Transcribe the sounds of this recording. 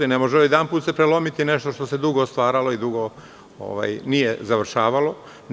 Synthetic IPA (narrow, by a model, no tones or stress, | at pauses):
inemoʒeoid̪anpuːt̪sepɾelˠo̞mit̪ine̞ʃt̪o̞ʃt̪o̞se̞d̪uɡost̪ʋaːɾalo̞id̪uɡo̞ | o̰ʋa̰ːjnijezaʋr̩ʃaːʋalo̞